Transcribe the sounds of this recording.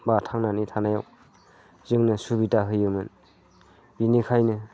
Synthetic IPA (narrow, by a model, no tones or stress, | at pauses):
batʰaŋnanitʰanajaw | zɯŋnɯsubitaɦɯjɯmɯn | binikʰajnɯ